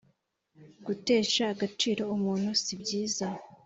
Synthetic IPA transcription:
ɡ̥ute̞ːʃaːɡat͡ʃiːɾo̞umuːn̥husibɟiːza

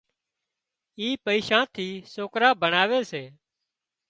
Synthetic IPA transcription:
iːpəiːʃãːt̪ʰiːsoːkɾaːbənaːʋeːseː

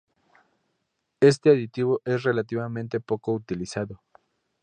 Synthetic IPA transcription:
e̞s̬t̪eaðit̪iβo̞ʔe̞sre̞lat̪iβamẽnt̪e̞po̞ko̞ut̪ilisaðo

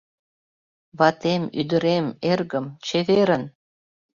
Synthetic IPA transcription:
βɑt̪emyd̪ə̆ɾemerɣəmt͡ɕeβeɾən

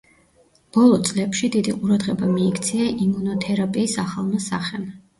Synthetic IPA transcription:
b̥ɔlˠɔt̪sʼlɛpʃid̪id̪iqʼuɾad̪ʁɛbamiːkʰt̪sʰiaʔimunɔt̪ʰɛɾapʼiːsaχalˠnasaχɛm

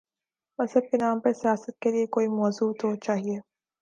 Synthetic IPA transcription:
mɐsəb̚kenaːmpɐɾsijaːsət̪̚keliekoːimɔːzuːt̪ot͡ʃaːɦieː

